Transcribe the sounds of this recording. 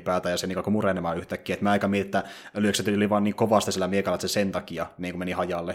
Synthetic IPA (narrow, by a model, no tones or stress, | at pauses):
pæːlt̪æjɑsenikɑkumurenemɑːyht̪ækːiæet̪mæɑikɑmiet̪et̪ːælyøkset̪ːyoliʋɑːnːiːŋkoʋɑst̪isielːæmiekɑlːˑɑt̪sesent̪ɑkiɑniːŋkumenihɑjɑlːe